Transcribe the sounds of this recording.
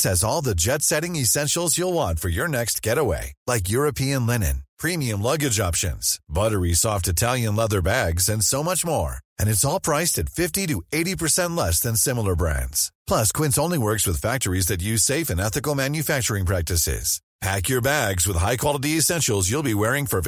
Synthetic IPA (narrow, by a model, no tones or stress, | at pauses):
sɨzɔlˠðɨd͡ʒɛtsɛɾɪ̃ŋɨsɛ̃nʃl̩ˠzjulˠwɑ̃nfə˞jə˞nɛkst̚ɡ̥ɛɾəwḛɪlaɪk̬jʊɹɨpʰiɨ̃nlɛnɨ̰̃npʰɹ̥ĩmiɨ̃mlʌɡɨd͡ʒɑpʃɨ̰̃nz̥bʌɾə˞isɔftɨtʰælˠjɨ̃nlɛðə˞bæɡzɨ̃nsoʊmʌt͡ʃmɔ̰ɹɨ̃nɨtsɔlˠpʰɹ̥aɪstɨtfɪftiɾɨeɪɾipʰə˞sɛ̃ntˡlɛsðɨ̃nsɪ̃ml̩ˠə˞bɹæ̰̃ndz̥pʰl̥ʌskʰw̥ɪ̃ntsõʊ̃nliwɜ˞kswɨð̥fæk̚tə˞izðɨt̬jʉz̥seɪfɨ̃nɛθɨkl̩ˠmæ̃njɨfæk̚t͡ʃə˞ɪ̃ŋpʰɹ̥æk̚tɨsɪ̰z̥ | pʰækjə˞bæɡzwəð̥ɦaɪkʰw̥ɑlˠəɾiɨsɛ̃nʃl̩ˠzjulˠbiwɛɹɪ̃ŋfə˞